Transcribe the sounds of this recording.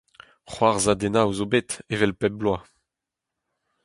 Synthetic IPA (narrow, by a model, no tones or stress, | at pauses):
χwaʁzad̪enauzobet̪evɛlpɛb̚blwa